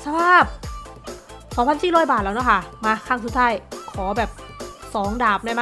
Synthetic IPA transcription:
sʰa˧bʰaː˧˩p̚ | kʰɔː˨˦pʰa˧nt͡ɕiː˧˥˩ɾɔː˧˥jbaː˨˩t̪̚lɛː˦˧˥nɔ˧˥˩kʰa˥˩maː˧kʰaː˧˥˩ŋsu˧˦t̪ʰaː˧˥˩jkʰɔː˩˦bɛː˨˩p̚sɔː˨˩˦ŋdaː˨˩p̚na˧˥˩ma˦˧

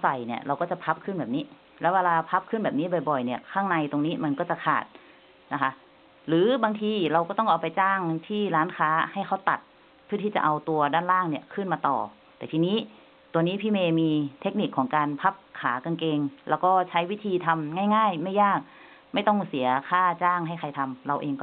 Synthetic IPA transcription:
sa˨˩jni˧˩ɐɾa˧wkɔː˥˩t͡ɕa˨˩pʰa˦˥p̚kʰɯ˥˩˨nbɛː˨˩p̚niː˦˥ | lɛː˦˥weː˧laː˧pʰa˦˥p̚kʰɯ˥˨nbɛː˨˩p̚niː˦˥bɔ˨˩jbɔ˨˩jni˧˩ɐkʰaː˥˩ŋna˧jt̪o˧ŋniː˦˥ma˧nkɔː˥˩t͡ɕa˨˩kʰa̰ː˨˩t̪̚ | na˦˥kʰa˦˥ | ɾɯː˨˦baː˧ŋt̪ʰiː˧ɾa˧wkɔː˥˩ɔ˥˩ʔa˨˧wpa˧jt͡ɕaː˥˩ŋt̪ʰiː˥˩laː˦˥nkʰaː˦˥ha˥˩jka˧˥˩wt̪a̰˨˩t̪̚ | pʰɯ˥˩˨t̪i˥˩t͡ɕa̰˨˩ʔa˧wt̪u˧ɐdaː˥˩nlaː˥˩ŋni˧˩əkʰɯː˥˩nmaː˧t̪ɔ̰ː˨˩ | t̪ɛː˨˩t̪ʰiː˧niː˦˥˨ | t̪u˧əniː˦˥pʰiː˥˩meː˧miː˧t̪ʰe˦˥k̚ni˧˨˩kʰːɔː˩˦ŋkaː˧npʰa˦˥p̚kʰaː˩˦ka˧nkeː˧ŋlɛː˦˩wkɔː˥˩t͡ɕʰa˦˥jwi˦˥t̪ʰiː˧t̪ʰa˧mŋaː˥˩jŋaː˥˩jma˥˩jːaː˥˩k̚ | ma˥˩jt̪ɔ˥˩ŋsi˨˩˦ɐkʰaː˥˩t͡ɕaː˥˩ŋɦa˥˩jkʰa˧˩jt̪ʰa˧mɾa˧wʔeː˧ŋkɔ˧˩

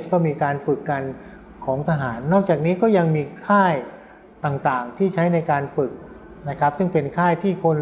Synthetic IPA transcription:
t̪̚kɔː˥˩miː˧kaː˧nfɯ˨˩kːa˧n | kʰɔː˩˦ŋt̪ʰa˧ɦaː˩˦nːɔː˥˩k̚t͡ɕaː˨˩k̚niː˦˥kɔː˥˩ja˧ŋmiː˧kʰaː˥˩j | t̪aː˨˩ŋt̪aː˨˩ŋt̪ʰiː˥˩t͡ɕʰa˦˥jna˧jkaː˧nfɯ˨˩k̚ | na˦˥kʰɾa˦˥p̚sɯ˥˩ŋpe˧nkʰaː˥˩jt̪ʰiː˥˩kʰo˧n

